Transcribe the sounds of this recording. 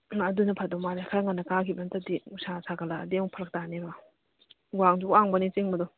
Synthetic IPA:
ɐdunɐpʰadɔmaɾakʰaɾaŋanːɐkakʰibɐntadiusasʰaɡalaːdiawpʰaɾɐk̚taneba | ɡwaŋzuwaŋbɐnit͡ʃeŋbɐdɔ

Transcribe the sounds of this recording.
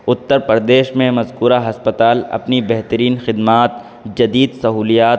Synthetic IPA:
ʊt̪ːəɾpəɾd̪eːʃmẽmɐzkuːɾaɦɐspət̪aːlɐ̰pnibɛɦt̪əɾiːnxɪd̪maːt̪ | d͡ʒɐd̪iːd̪sɐɦuːlijaːt̪

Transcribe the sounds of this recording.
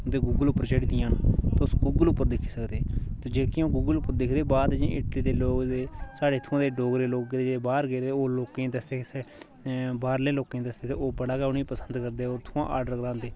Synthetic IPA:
d̪eːɡuːɡəlʊpːəɾt͡ʃəɽid̪ĩaːnt̪ːʊsɡuːɡəlʊpːəɾd̪ɪkʰːi̥ːsəkd̪eːt̪od͡ʒeːkĩõːɡuːɡəlʊpːəɾd̪ɪkʰd̪eːbaːd̪d͡ʒẽʔɪʈliːd̪eːloːkd̪eːsaːɖeːt̪ʰʊãːd̪eːɖoːɡɾeːloːk̚ɡeːd̪eeːbaːɾɡeːt̪eoːloːkẽːd̪əsd̪eːsɛː | baːɾlẽːloːkẽːd̪əsd̪eːt̪eːoːbəɽaːɡaːnĩːpəsənd̪kəɾd̪eːoːɾt̪ʰʊãːʔa̰ːɾɖəɾɡɾãːnd̪eː

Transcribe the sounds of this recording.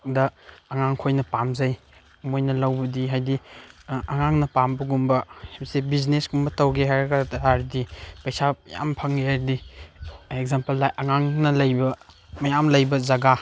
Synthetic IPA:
dɐɐŋaŋkʰojnɐpamzɐj | mojnɐlɐwbɐdiɦajdi | ɐŋaŋnɐpambɐɡumbɐsebiznesɡumbɐtɐwɡeɦaɾkataɾdipɐjsaja̰mpʰɐŋɡiɦaɾdi | eɡ̚zampɐlajʔɐŋaŋnɐlɐjbɐ | mɐjamlɐjbɐzɐɡa

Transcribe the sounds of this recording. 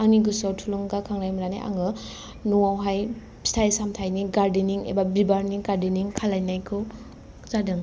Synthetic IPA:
aŋniɡɯsawtʰuluŋɡakʰaŋɾajmuɾana̰ʔa̰ŋɯ | nuawɦaj | stʰajsamtʰajniɡaɾdiniŋḛbabibaɾniŋɡaɾdiniŋkʰalajnajkʰɯw | zadɯŋ

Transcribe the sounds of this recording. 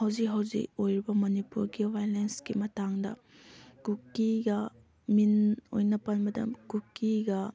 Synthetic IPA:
hɐwzikɦɐwzḭkojɾibɐmɐnipuɾɡiwʱajlensɡimɐtaŋdɐ̰ | kukːiɡɐ | mino̰jnɐpɐnmɐtɐ̰mkukːiɡɐ

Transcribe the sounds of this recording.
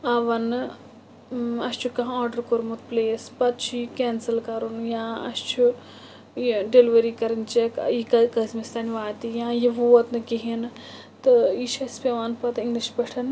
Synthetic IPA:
ɐʋɐnɨ | ɐst͡ʃʰukɐɦaːɖɐɾkoɾmut̪pleːspɐt̪̚t͡ʃʰuikeːnsɐlkɐɾunjãːɐ̰st͡ʃʰu | iɖeliʋɐɾiːkɐɾɐnt͡ʃekikɐkɐsmist̪ɐnʲʋaːt̪ijãːjiʋuːɐt̪nɨkiɦin | t̪ɨiʃʰɐspʲɐʋaːnpɐt̪iŋɡliʃpɐʈʰɐn

